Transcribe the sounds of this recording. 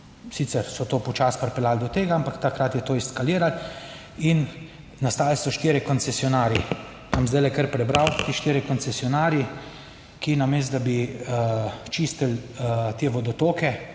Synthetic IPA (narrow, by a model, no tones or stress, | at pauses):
sit̪sɛɾsɔt̪oːpɔt͡ʃaspɾpɛlaːld̪ɔt̪eːɡaampakt̪akɾat̪jɛt̪oːiskaliːɾal | in | nast̪aːlsɔʃt̪eːɾɛkɔnt̪sɛsjɔnaːɾji | namzd̪ɛɪlɛkəɾpɾɛbɾawt̪eʃt̪eːɾɛkɔnt̪sɛsiɔnaːɾji | kinameːs̬t̪d̪abi | t͡ʃiːst̪əlt̪eːʋɔd̪ɔt̪oːkɛ